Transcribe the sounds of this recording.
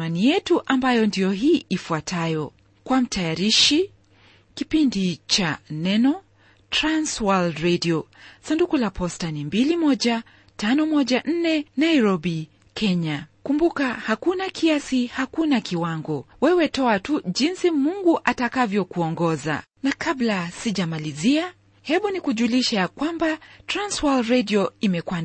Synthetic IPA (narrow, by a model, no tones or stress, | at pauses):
anijɛtuʔambajɔndijɔɦiːʔifuatajɔ | kwam̩tʰajaɾiʃi | kipindit͡ʃanɛnɔ | tɾanswaldɾɛdiɔsandukulapɔstanimbilimɔʄa | tanɔmɔʄaʔn̩nɛnaiɾɔbi | kʰɛɲakumbukahakunakʰiasihakunakiwaŋɡɔwɛwɛtɔatuʄinsimuŋɡuʔatakavjɔkuɔŋɡɔza̰ | nakablasiʄamalizia | hɛɓunikuʄuliʃajakwambatɾanswalɾɛdiɔimɛkwa